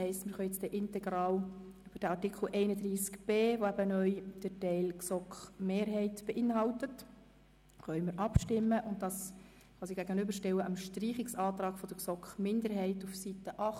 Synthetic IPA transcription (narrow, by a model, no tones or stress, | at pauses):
ɛɪstmɪɾχœʏɛt͡stɛʔɪntɛɡɾɑːlyb̥əd̥æɑrtikχl̩ʔɛɪnədɾiːskb̥eːʋoæbənœʏd̥ətɛɪlksɔkχmeːɾɦɛɪtb̥ɛʔɪnɦɑltət | χœʏmɪɾʔɑpʃtɪmːəʔʊnt̚d̥ɑs | kʰv̥ɑːsiɡæɡənʏbəɾʃtɛwəʔəmʃtriːχɪksɑːt̪rɑːɡ̥fɔd̥əɾksɔkχmɪndəɾɦɛɪtufsitəʔɑχ